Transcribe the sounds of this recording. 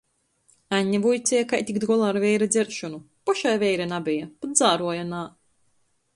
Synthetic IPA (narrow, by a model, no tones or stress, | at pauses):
aɲʲːɛvujt̪sʲɛjakajt̪ʲikd̪ɡɔlˠaːɾvʲɛjɾad̪zʲɛɾʃɔnu | pɔʃajvʲɛjɾanabijapat̪zaːɾuɔjanaː